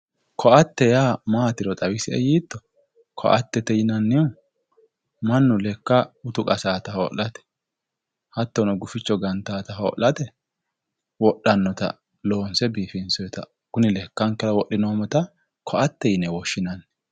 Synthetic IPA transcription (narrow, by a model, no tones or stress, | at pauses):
kʰɔʔɐt̪ːɛjaːmaːt̪ɪɾɔt̪ʼɐwɪsɪɛjiːt̪ːɔ̥ | kʰɔ̰ʔɐ̰t̪ːɛt̪ɛjɪnɐnːɪʊ | mɐnːʊlɛkːaʊt̪ʊkʼɐsaːt̪ɐho̰ːʔɐt̪ɛ̥ | hɐt̪ːɔnɔɡʊfɪt͡ʃːɔɡɐnt̪aːt̪ɐɦo̰ːʔɐt̪ɛ | wɔɗːɐnːɔt̪ɐ̰ | lo̞ːnsɛbiːfɪnsɔjɛt̪ɐ | kʊnɪlɛkːɐŋkɛɾɐwɔʔːɪnoːmɔt̪ɐ | kʰɔʔɐt̪ːɛjɪnɛwɔʃːɪnɐnː